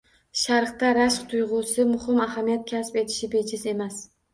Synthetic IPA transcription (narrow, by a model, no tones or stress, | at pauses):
ʃaɾqt̪aɾaʃqt̪ʰʊjʁʊsɪmʊhɪmaɦamijat̪̚kʲʰaspe̞t̪ʰɪ̥ʃɪbe̞d͡ʒʰɪse̞mas